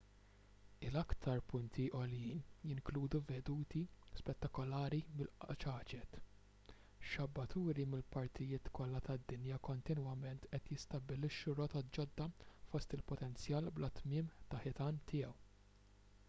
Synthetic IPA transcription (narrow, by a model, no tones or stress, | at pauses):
ɪlɐkt̪ʰɐɾpʊnt̪ʰiʔɔljiːnjɪŋkluːd̪uvɛd̪uːt̪ispɛt̪ːɐkɔlɐːɾimɪlt͡ʃɐːt͡ʃɛt̪ | ʃɐbːɐt̪uːɾimɪlpɐɾt̪ʰɪjɪːt̪kɔlːɐt̪ɐd̪ːɪnjɐkɔnt̪ɪnwɐmɛnt̪ʔɛt̪jɪst̪ɐbɪlɪʃːuɾɔt̪ɔt̪d͡ʒɔd̪ːɐfɔst̪ɪlpɔt̪ɛnt͡sjɐːlblɐt̪mɪːmt̪ɐħɪt̪ɐːnt̪ɪːjɛw